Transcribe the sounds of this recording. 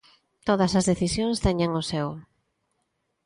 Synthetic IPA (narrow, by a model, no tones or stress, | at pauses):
t̪oð̞ɐsɐzðeθisjoŋst̪ɛɲaŋʊsɛw